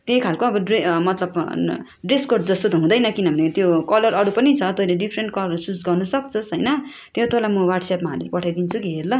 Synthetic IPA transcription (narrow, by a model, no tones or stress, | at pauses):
t̪ejkʰalkoːbʌɖemʌt̪lʌb | ɖreskorɖd͡zʌst̪ot̪oɦũd̪ʌjnʌkinʌbʱʌnet̪jokʌlʌɾʌɽupʌnit͡sʰʌt̪oileɖipʰɾeɳʈ̚kʌlʌrsut͡sɡʌrnʌsʌkt͡sʰʌsɦʌjnʌ | t̪jot̪olajmʌwarʈsjapmaɦʌlelpʌʈʰajd̪int͡sʰukiɦerlʌ